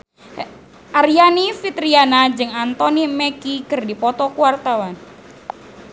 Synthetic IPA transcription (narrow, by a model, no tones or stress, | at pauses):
ʔaɾianifit̪ɾianad͡ʒɨŋant̪ɔnimɛkikɨrdipɔt̪ɔkuwart̪awan